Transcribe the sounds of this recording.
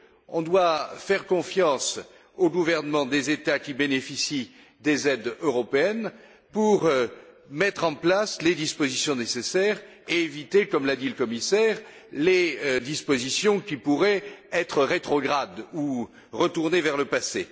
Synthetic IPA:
ɔ̃d̪wafɛʁkɔ̃fjɑ̃s | oɡuvɛʁnəmɑ̃d̪ezet̪akʲibenefisi | d̪ezɛd̪øʁɔpeɛn | puʁ | mɛt̪χɑ̃plasled̪ispozisjɔ̃nesesɛʁ | eːvit̪ekɔmlad̪iləkɔmisɛʁ | led̪ispozisjɔ̃kʲipuʁɛɛt̪χəʁet̪χɔɡʁad̪u | ʁət̪uʁnevɛʁləpase

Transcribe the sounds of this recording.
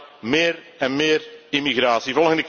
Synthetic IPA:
mɪːɾ | ɛnmɪːrimiɣɾaːsivɔlˠɣəndək

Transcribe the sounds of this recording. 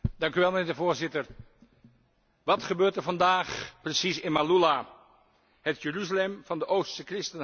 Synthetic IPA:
d̥ɑŋkyʋɛlˠməneːɹdəvoːɹzɪtəɹ | ʋɑtχəbøːɹtəɹvɑndaːχprəsisɪnmalula | ɦətjəryzalɛmv̥ɑndəʔowsəkrɪstən

